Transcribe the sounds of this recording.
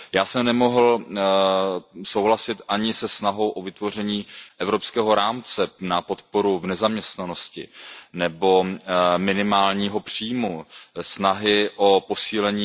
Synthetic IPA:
jaːsɛmnɛmo̞ɦl̩ | sowɦlasɪt̪ʔaɲɪsɛsnaɦo̞wʔo̞vɪt̪vo̞r̝ɛɲiːʔɛvɾo̞pskɛːɦo̞ɾaːmt͡sɛnapot̪po̞ɾuvnɛzamɲɛst̪nano̞scɪ̰nɛbo̞mɪnɪmaːlɲiːɦo̞pr̝̥iːmusnaɦɪʔo̞po̞siːlɛɲiː

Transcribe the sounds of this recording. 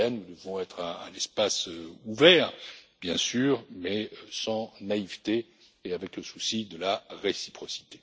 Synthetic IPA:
ɛnnud̪əvɔ̃ɛt̪χɛ̃ːnɛspasøuvɛʁbjɛ̃syːʁmɛsɑ̃naivt̪eː | avɛkləsusid̪əlaʁesi̥pχɔsi̥t̪e̥

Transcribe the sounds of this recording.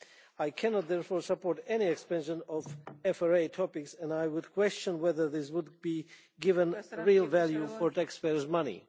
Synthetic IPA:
ajkʰɛnɔt̪̚ðɛɹfɔɹsəpɔɹtɛniɛkspɛ̃nʃə̃nɔvɛfaɹeɪtʰɔpɪksɛ̃najwʊdkʰw̥ɛst͡ʃə̃nwɛðə˞ðɪswʊd̚bi | ɡɪvə̃nɹilˠvælˠjufɔɹtækspɛɹzmʌnḭ

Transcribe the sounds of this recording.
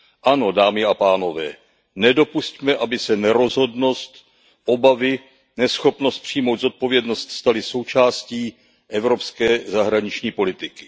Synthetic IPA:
ʔano̞daːmɪapaːno̞vɛ̰ː | nɛdo̞puscmɛʔabɪsɛnɛɾo̞zɦo̞dno̞st̪ | ʔo̞bavɪ | nɛsxo̞pno̞st̪̚pr̝̥ijmo̞wt̪d̪zo̞t̪̚po̞vjɛdno̞st̪st̪alɪso̞wt͡ʃaːsciː | ʔɛvɾo̞pskɛːzaɦɾaɲɪt͡ʃɲiːpo̞lɪt̪ɪkɪ̥

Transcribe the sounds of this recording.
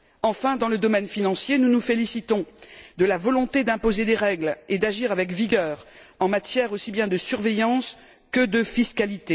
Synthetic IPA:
ɑ̃fɛ̃d̪ɑ̃ləd̪ɔmɛnfinɑ̃sjenunufelisit̪ɔ̃d̪əlavɔlɔ̃t̪ed̪ɛ̃pozed̪eʁɛɡled̪aʒiʁavɛkviɡʲœːʁ | ɑ̃mat̪jɛʁosibjɛ̃d̪əsyʁvejɑ̃s | kəd̪əfiskalit̪e

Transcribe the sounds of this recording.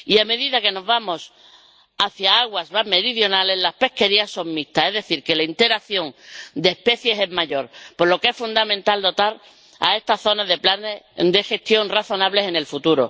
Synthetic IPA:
iame̞ðiðake̞no̞zβamo̞s | aθjaaɣwazβame̞ɾiðjo̞nale̞zlaspe̞hke̞ɾiasːo̞ŋmist̪ae̞zðe̞θiɾke̞laint̪e̞ɾaθjo̞ŋd̪eːspe̞θje̞se̞zmaʝo̞ɾpo̞lo̞kee̞sfund̪amẽ̞nt̪ald̪o̞t̪aɾ | a̰e̞st̪aθo̞nazðe̞planed̪e̞xe̞st̪jo̞nraθo̞naβle̞se̞ne̞lfut̪uɾo

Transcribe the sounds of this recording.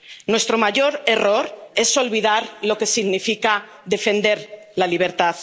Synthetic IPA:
nwe̞st̪ɾomaʝo̞ɾe̞roɾe̞so̞lβið̞aɾlo̞ke̞siɣnifika | ðe̞fe̞nd̪e̞ɾ | laliβ̞e̞ɾt̪aθ

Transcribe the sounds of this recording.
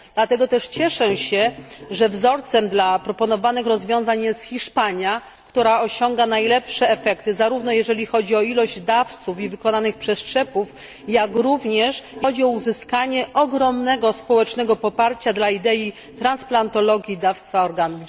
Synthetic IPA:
d̪̥lat̪ɛɡɔt̪ɛʂt͡ɕɛʂɛɕɛʐɛvzɔɾt̪sɛmd̪lapɾɔpɔnɔvanɘxɾɔzvʲjɔ̃w̃zaɲjɛst̪xʲiʂpaɲja | kt̪uɾaɔɕɔŋɡanajlɛpʂɛɛfɛkt̪ɘzaɾuvnɔjɛʐɛlʲixɔd͡ʑiɔilɔʑd͡ʑd̪aft̪sufivɘkɔnanɘxpʂɛstʂɛpuf | jakɾuvɲɛʂɔd͡ʑiɔuzɘskaɲɛʔɔɡɾɔmnɛɡɔspɔwɛt͡ʂnɛɡɔpɔpaɾt͡ɕad̪laid̪ɛi | t̪ɾansplant̪ɔlɔɡʲjid̪afst̪faɔɾɡanuv

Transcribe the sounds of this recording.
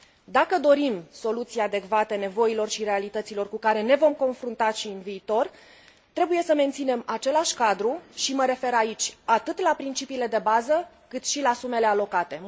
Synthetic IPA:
d̪akəd̪o̞ɾimso̞lut̪siad̪e̞kvat̪e̞ne̞vo̞ilo̞rʃire̞alit̪ət̪silo̞rkukaɾe̞ne̞vo̞mko̞nfɾunt̪aʃiɨnviːt̪o̞r | t̪ɾe̞buje̞səme̞nt̪sine̞mat͡ʃe̞laʃʲkad̪ɾuʃiməɾe̞fe̞ɾait͡ʃʲat̪ɨt̪lapɾint͡ʃipiːle̞d̪e̞bazə | kɨt̪ʃilasume̞le̞alo̞kat̪e̞

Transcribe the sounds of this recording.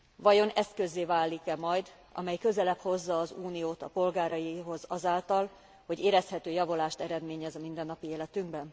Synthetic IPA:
vɒjo̞nɛskø̞zːeːvaːlːikɛmɒjd̪ | ʔɒ̰mɛjkø̞zɛlɛpho̞zːɒːzuːnijoːt̪ɒpo̞lɡaːɾɒjiɦo̞zɒzaːlt̪ɒl | ho̞ɟeːɾɛshɛt̪øːjɒvo̞laːʃt̪ɛɾɛd̪meːɲɛzɒmind̪ɛnːɒpieːlɛt̪yŋɡbɛn

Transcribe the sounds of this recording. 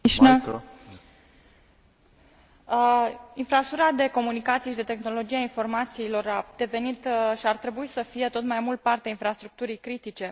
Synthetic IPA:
ʃnə | infɾasuɾad̪e̞ko̞munikat̪sije̞ʃid̪e̞t̪e̞xno̞lo̞d͡ʒieainfo̞rmat̪siːlo̞ɾad̪̥e̞ve̞nit̪ʃiart̪ɾe̞buisəfije̞t̪o̞t̪majmult̪̚part̪eainfɾast̪ɾuk̚t̪uɾijkɾit̪it͡ʃe̞

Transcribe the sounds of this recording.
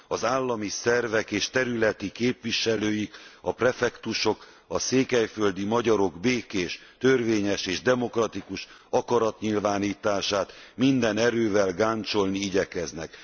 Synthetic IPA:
ɒzaːlːɒmisɛrvɛkeːʃt̪ɛɾylɛt̪ikeːpʋiʃɛløːjikɒprɛfɛkt̪uʃo̞k | ɒseːkɛjføld̪imɒɟɒɾo̞ɡbeːkeːʃt̪ø̞rveːɲɛʃeːʒd̪ɛmo̞krɒt̪ikuʃ | ɒkɒɾɒt̪ɲilvaːniːt̪aːʃaːt̪mind̪ɛnɛɾøːvɛlɡaːnt͡ʃo̞lniiɟɛkɛznɛk

